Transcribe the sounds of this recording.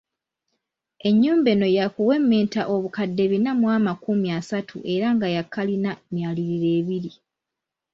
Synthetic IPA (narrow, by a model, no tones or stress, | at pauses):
e̞ɲːuːmbe̞no̞jakuwe̞mːeːntaʔo̞βukadːe̞βinamwaːmakumiasatʰṵʔe̞ɾaŋɡajakːalinamjaːliɾiɾe̞ːβiɾi